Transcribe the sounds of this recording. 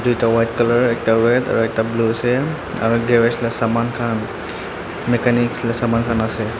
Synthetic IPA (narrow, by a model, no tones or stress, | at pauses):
dujtawajtkalɔɹɛk̚taɹɛda̰ɹuɛk̚tablusɛ | a̰ɹuɡɛɹɛslɛsamankʰan | mekanikslɛsamankʰanasɛ